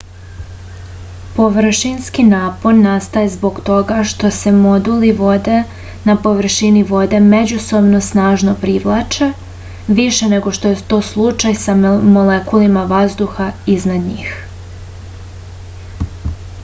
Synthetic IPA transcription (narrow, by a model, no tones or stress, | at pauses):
po̞ʋr̩ʃinskinaːpo̞ɾnast̪ajezbo̞ɡt̪o̞ɡaʃt̪o̞se̞mo̞d̪uliʋod̪e | napo̞ʋr̩ʃiniʋo̞d̪e̞med͡ʑuso̞bno̞snaːʒnopɾiʋlˠat͡ʃe | ʋiʃe̞ne̞ɡo̞ʃt̪o̞jet̪o̞ːslˠut͡ʃajsamolekulimaʋazd̪uxaiznad̪ɲiːx